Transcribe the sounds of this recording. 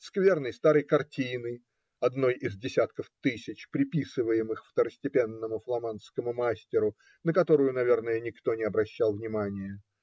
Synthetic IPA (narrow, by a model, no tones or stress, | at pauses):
skvʲe̞rnəjst̪aɾəjkɐrtʲinɨ | ɐd̪no̞jɪzdʲɪsʲat̪kəft̪ɨsʲɪt͡ɕpɾʲɪpʲisɨvəjɪmɨxft̪əɾəsʲtʲɪpʲe̞nːəmʊflˠɐmanskəmʊmasʲtʲɪɾʊ | nəkɐt̪o̞ɾʊjʊnɐvʲe̞rnəjənʲɪkt̪o̞nʲɪɐbɾɐɕːalˠvnʲɪmanʲɪjə